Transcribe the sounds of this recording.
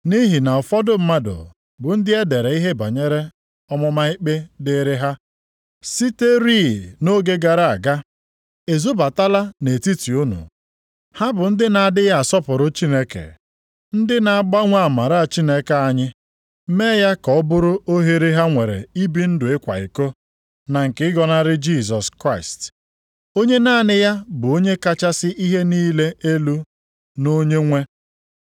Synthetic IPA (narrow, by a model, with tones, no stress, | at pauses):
ni˦ɦi˨na˨ɔ˨fɔ˦dʊ˦m̩˦ma˦dʊ̰˨ | bʊ˨n̩˦dɪ˦e˦de˨ɾe˨i˦ɦe˦ba̰˨ɲe˦ɾe˦ | ɔ˦mɔ˦ma˦ɪ˦k͡pe˦dɪ˦ɾɪ˦ɦa˦ | si˦te˦ɾi˦˨no˦ɡe˦ɡa˨ɾa˨a˨ɡa˦ | e˨zu˦ba˨ta˦la˦ne˨ti˦ti˨u˦nṵ˨ | ha˦bʊ˨n̩˦dɪ˦na˨a˨dɪ˦ja˦a˨sɔ˦pʊ˨ɾʊ˦t͡ʃi˦ne˦kḛ˨ | n̩˦dɪ˦na˨a˨ɡ͡ba˦ŋʷa˦a˨ma˨ɾa˦a˨t͡ʃi˦ne˦ke˨a˦ɲɪ˦ | me˦ja˦kɔ˨˦bʊ˦ɾʊ˦o˦ɦe˦ɾe˦ɦa˦ŋʷe˨ɾḛ˨i˦bi˦n̩˦dʊ˨ɪ˦kʷa̰˨ɪ̰˨ko˦ | na˨ŋ̩˨kɪ˨˦ɪ˦ɡɔ˦na˦ɾɪ˦d͡ʒi˦˨s̬ɔ˨skɾa˦ɪ˨st | o˦ɲe˦na˦˨nɪ˦ja˦bʊ˨o˦ɲe˦ka˦t͡ʃa˦sɪ˦ʔi˦ɦe˦niː˦le˦ʔe˦lu˦ | no˦ɲe˦ŋʷe˦